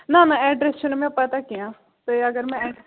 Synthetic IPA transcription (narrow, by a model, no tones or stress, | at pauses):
nãːnãːɛːɖɾest͡ʃʰunemɛ̃ːpːət̪akiãː | t̪eəɡəɾmɛ̃ɛː